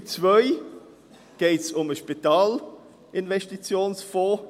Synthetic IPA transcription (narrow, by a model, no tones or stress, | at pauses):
t͡svœʏ | ɡ̥eːtsʊməʃpitɑːl | ʔɪnvɛʃtit͡sjoːnsfɔː